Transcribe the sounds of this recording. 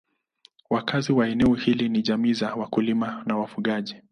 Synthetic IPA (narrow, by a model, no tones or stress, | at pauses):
wakaziwaɛnɛɔhiliniʄamiːzawakulimanawafuɠaʄi